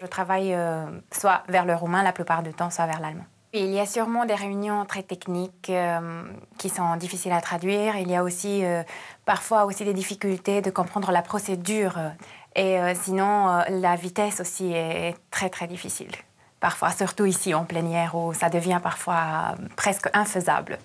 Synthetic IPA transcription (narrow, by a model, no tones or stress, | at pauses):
ʒət̪χavajøswavɛʁləʁumɛ̃laplypaʁd̪yt̪ɑ̃swavɛʁlalmɑ̰̃ | wiːlijasyʁmɑ̃d̪eʁeynjɔ̃t̪χɛt̪ɛknikø | isɔ̃d̪ifisilat̪χad̪ɥiːʁiljaosiøpaʁfwaosid̪ed̪ifikʲylt̪ed̪əkɔ̃pχɑ̃d̪ʁəlapχɔsed̪yːʁeøsinɔ̃ølavit̪ɛsosiɛːt̪χɛt̪χɛd̪ifisḭl | paʁfwa̰syʁt̪uisiɑ̃plɛnjɛʁusad̪əvjɛ̃paʁfwapχɛskɛ̃fəza̰bl